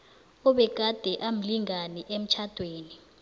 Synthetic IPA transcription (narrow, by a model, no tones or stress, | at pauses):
ɔɓɛɡ̥ʱad̥ʱɛʔam̩liŋanɛʔem̩t͡ʃʰad̥ʱweːni